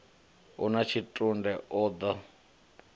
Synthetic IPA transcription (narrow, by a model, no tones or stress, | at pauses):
ṵnat͡ʃʰitʼundɛʔɔːd̪a